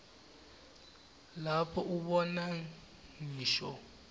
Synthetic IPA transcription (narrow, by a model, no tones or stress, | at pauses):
lapʰɔʔubɔna | ŋiːʃɔ